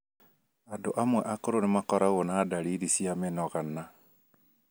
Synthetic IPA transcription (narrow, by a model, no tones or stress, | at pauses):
adoʔamwɛʔakoɾonemakɔɾaɣonaːdaliɾisiamenɔɣana